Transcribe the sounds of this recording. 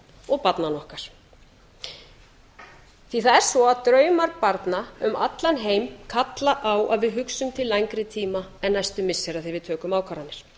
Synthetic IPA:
ɔɣpat̪nanɔhkaɾ̥ | θiθaðɛɾ̥svɔaðt̪ɾœːɥmaɾpaɾt̪naʏma̰t̪lanɦeːjmkʰat̪laʔawʔaðvɪðɦʏksʏmt̪ʰɪlːajŋkɾɪt̪ʰiːmaɛnːajst̪ʏmːɪsːɛɾaðθɪvɪðt̪ʰœːkʏmawkʰaɾanːɪɾ̥

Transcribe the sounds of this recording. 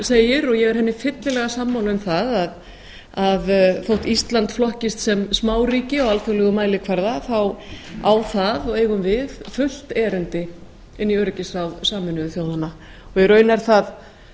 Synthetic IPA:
seːjɪɾɔɣjɛɣɛɾ̥hɛnːɪfɪt̪lɪlɛɣasamːawlʏmθaðað | aðθowht̪ist̪lant̪flɔhcɪst̪sɛmsmaːwriːcɪɔɣalθœɣlɛɣʏmaːjlɪkʰvaɾðaθawawθaðɔɣeːjɣʏmvɪðfʏl̥t̪ɛːɾʏnt̪ɪ | ɪnːiœɾcɪsawðsaːmʏnʏðθjoːwðana | ɔɣjɛɾœːɥnɛɾ̥θað

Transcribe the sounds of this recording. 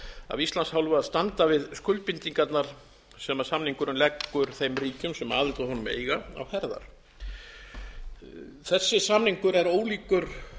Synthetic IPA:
a̰vist̪lanshawlvʏaðst̪ant̪avɪðskʏlpint̪iŋkat̪naɾ̥ | sɛmasamniŋkʏɾʏmlɛkːʏɾ̥θejmriːcʏmsɛma̰ːðɪlt̪aɦɔnʏmḛːjɣaa̰whɛɾða̰ɾ̥ | θɛsːɪsamniŋkʏɾɛɾoːwliːkʏɾ̥

